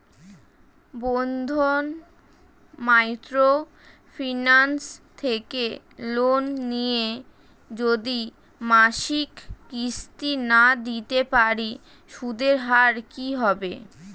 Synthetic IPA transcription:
bond̪ʱon | majt̪ɾo | finanst̪ʰeke | lonːije | d͡ʑod̪i | maʃikːist̪inad̪it̪epaɾi | ʃud̪eɾɦaɾkiɦɔbe

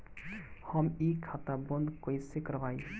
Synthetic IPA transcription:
həmikʰat̪abənd̪koisekəɾbai

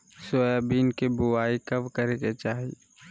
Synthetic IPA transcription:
sojabiːnkebʊaːikɐbkəɾeket͡ʃaːɦi

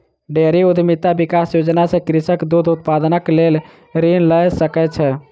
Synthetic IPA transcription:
ɖeɾiud̪ʱmit̪abikasjod͡ʒnasẽkɾisəkd̪ud̪ʱut̪pad̪nəklel | ɾinləjsəkɛt͡ʃʰɛ

